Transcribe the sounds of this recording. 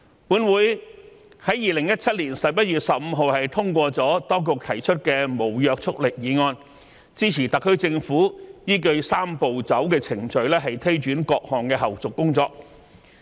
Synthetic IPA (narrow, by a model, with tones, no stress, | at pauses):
puː˨˥nwuː˨˥j | hɐ˨˥jiː˨lɪ˨˩ŋjɐ˥t̚t͡sʰɐ˥t̚liː˨˩nsɐ˨p̚jɐ˥t̚ɥyː˨t̚sɐ˨p̚m̩ː˨˧ɦo˨whɐ˨jt̪ʰʊ˥ŋkʷɔː˧t͡sɔː˨˥t̪ɔː˥ŋk̬ʊ˨k̚t̪ʰɐ˨˩jt͡ʃʰɵ˥t̚kɛː˧mo˨˩wjœː˨k̚t͡sʰʊ˥k̚lɪ˨k̚jiː˨˧ŋɔː˧n | t͡siː˥t͡sʰiː˨˩t̪ɐ˨kʰːɵ˥t͡sɪ˧ŋfuː˨˥jiː˥k̬ɵ˧ɥsaː˥mpo˨wt͡sɐ˨˥wkɛː˧t͡sʰɪ˨˩ŋt͡ʃɵ˨˧ɥlɛː˥ɦɐ˨jt̪ʰe˥jt͡ʃyː˨˥nkɔː˧k̚hɔː˨ŋkɛː˧ɦɐ˨˩wt͡sʊ˨kːʊ˥ŋt͡sɔː˧k̚